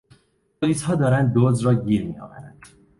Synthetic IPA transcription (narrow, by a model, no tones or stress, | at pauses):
bʰoliːshɒːd̪ɒːɾænd̪̚ːozɾɒːɟiːɾmijɒ̰ːvæ̰ɾæ̰nd̪̥